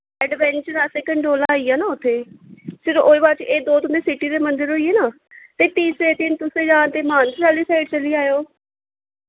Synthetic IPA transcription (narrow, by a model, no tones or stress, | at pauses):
ɛɖʋɛːnt͡ʃəɾaːsɛkəɳɖoːlaːiːaːnãːʊt̪ʰːeːsɪɾoʔoːibaːɾt͡ʃʔeːd̪oːt̪ʊnd̪eːsɪʈiːɾeːmənd̪əɾɦoːieːnaː | t̪eːp̪iːseːt̪ɪnt̪ʊsẽːd͡ʒãːnt̪eːmaːnsɾaːliːsaːɪɖt͡ʃəliːaːjoː